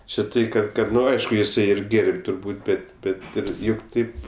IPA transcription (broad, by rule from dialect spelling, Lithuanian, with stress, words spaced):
t͡ʃʲɪ ˈtɐɪ kɐt ˈkɐt ˈnʊ ˈɐɪʃkʊ jɪˈsɐɪ ɪr ˈɡʲeːrʲpʲ tʊrˈbuːt ˈbʲɛt ˈbʲɛt ˈɪr ˈjʊk ˈtɐɪp